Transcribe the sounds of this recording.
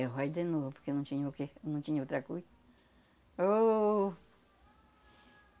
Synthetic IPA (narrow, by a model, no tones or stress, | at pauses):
ɦʷaid̪enũpoɾkenũt͡ʃiɲũkenũt͡ʃiɲũt̪ɾakui | o